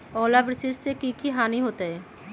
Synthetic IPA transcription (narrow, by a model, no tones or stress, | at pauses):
ɔlabɾiseʃsekikiɦaniɦot̪eɦɛ